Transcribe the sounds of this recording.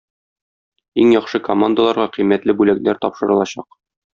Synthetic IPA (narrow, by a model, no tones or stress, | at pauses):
iŋjɒχʃɤkomand̪əlˠɑɾʁɑqijmæt̪lɘbʉlæknæɾt̪ɒpʃɤ̆ɾɤ̆lˠɑɕɑq